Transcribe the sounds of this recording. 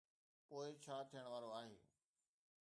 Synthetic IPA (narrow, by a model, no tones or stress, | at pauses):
poːɪt͡ɕʰaːt̪ʰijəɽ̃ʋaːɾoaːɦḛː